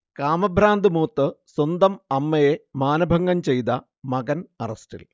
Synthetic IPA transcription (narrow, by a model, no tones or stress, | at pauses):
kaːmɐbʱɾaːnd̪ɨmuːt̪ːɨswɐnd̪ɐmɐmːɐjemaːnɐbʱɐŋɡɐmt͡ɕe̞jt̪ɐ | mɐɡɐnɐrɐstḭl